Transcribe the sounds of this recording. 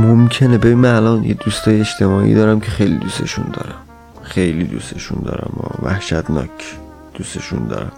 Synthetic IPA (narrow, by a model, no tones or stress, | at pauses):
momkʰe̞nebe̞binmænælɒnjed̪ust̪ɒːjeeʃt̪ʰe̞mɒːʔḭːd̪ɒːɾæmcʰe̞xejlid̪use̞ʃund̪ɒ̰ːɾæm | xe̞jlid̪ust̪e̞ʃund̪ɒ̰ːɾæ̰mɒːvæhʃæd̪nɒ̰ːcʰ | d̪̥use̞ʃund̪ɒ̰ːɾæm